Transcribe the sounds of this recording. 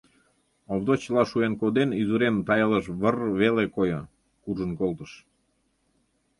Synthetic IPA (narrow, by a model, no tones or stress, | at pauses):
oβd̪ot͡ɕəlɑʃuenkod̪enizuɾemt̪ɑjələʃβərβelekojo | kuʒənkolt̪əʃ